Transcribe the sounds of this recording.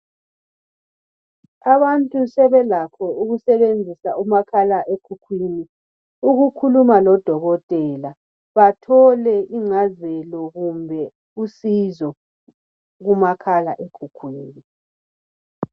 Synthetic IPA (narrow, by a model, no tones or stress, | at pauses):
aβantʼusɛβɛlapʰɔuɣusɛβend͡zʱisaumakʰalaʔekʰukʰwiːni | uɣukʰulumalɔd̥ʱɔɣɔtʼɛla | βatʰɔlɛʔiŋ͡ǀazɛlɔɣumbʱɛ | usizɔ | ɣumakʰalaʔekʰukʰwiːni